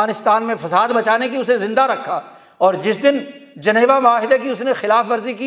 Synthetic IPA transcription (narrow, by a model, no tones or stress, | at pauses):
aːnɪst̪aːnmẽfɐsaːd̪bɐt͡ʃaːnekiʊsezɪ̃nd̪aɾɐkʰːa | ɔːɾd͡ʒɪsd̪ɪnd͡ʒɐneːʋamʊaːɦɪd̪akiʊsnexɪlaːfʋɐɾziki